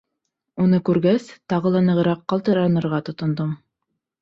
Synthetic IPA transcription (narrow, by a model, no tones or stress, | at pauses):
unɤkʉɾɡæst̪ɑʁɤlˠɑnɤ̆ʁɤ̆ɾɑqːɑlˠt̪ɤ̆ɾɑnɤ̆ɾʁɑt̪ŏt̪ŏnd̪om